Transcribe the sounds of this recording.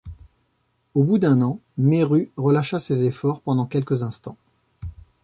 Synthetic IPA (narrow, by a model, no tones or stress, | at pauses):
obud̪ɛ̃nɑ̃meʁyʁəlaʃasezefɔʁpɑ̃d̪ɑ̃kʲɛlkəzɛ̃st̪ɑ̃